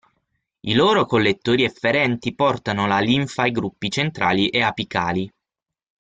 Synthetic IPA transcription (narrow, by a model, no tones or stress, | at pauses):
iloːɾokolːet̪ːoːɾiɛfːeɾɛnt̪ipɔrt̪anolaliɱfaiɡɾupːit͡ʃent̪ɾaːliʔeapikaːli